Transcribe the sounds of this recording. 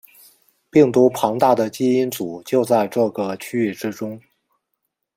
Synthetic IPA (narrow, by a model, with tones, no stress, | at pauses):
pi˥˩ŋt̪u˧˥pʰɑ˧˥ŋt̪a˥˩d̪ə˩t͡ɕi˥i˥nt͡su˨˩˦t͡ɕjo˥˧ʊt͡sa˥˧ɪʈ͡ʂɤ˥˩ɡə˩t͡ɕʰy˥y˥˩ʈ͡ʂɻ̩˥ʈ͡ʂʊ˥ŋ